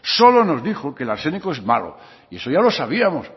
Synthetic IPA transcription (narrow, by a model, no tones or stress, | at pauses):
so̞lo̞no̞zðixokelaɾse̞nikoe̞zma̰lo̰ | ie̞so̞ʝalo̞saβiamos